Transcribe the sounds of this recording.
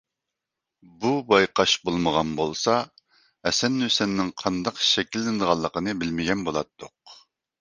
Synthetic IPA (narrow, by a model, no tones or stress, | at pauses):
bubɑjqɑʃbolˠməʁɑnbolˠsɑ | ɛsɛnːysɛnːɪŋqʰɑnd̪ɑqʃɛkʲʰilːɪnd̪əʁɑlˠːəqənɨbɪlmɪɡʲɛnbolˠɑ̰t̪ʰːʊq